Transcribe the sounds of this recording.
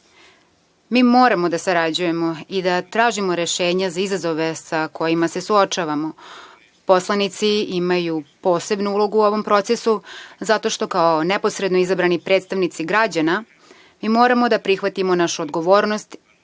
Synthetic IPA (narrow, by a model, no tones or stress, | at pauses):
miːmo̞ːɾamod̪asaɾad͡ʑujemo̞id̪at̪ɾaːʒimo̞ɾe̞ʃeːɲazaizazoʋesako̞jimase̞suot͡ʃaːʋamo̞ | po̞slˠanit̪siimajupo̞ːse̞bnuulˠo̞ɡuo̞ʋo̞mpɾo̞t̪sesuzat̪o̞ʃt̪o̞kaonepo̞sɾe̞d̪noizabɾanipɾe̞ːt̪st̪aʋnit̪siɡɾad͡ʑana | miːmo̞ːɾamo̞d̪apɾixʋat̪imo̞naʃuod̪ɡo̞ʋo̞ːɾno̞st̪